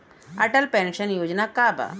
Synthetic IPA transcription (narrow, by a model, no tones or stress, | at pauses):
ɐʈəlpẽɳʃənjoːd͡ʒnakaːba̰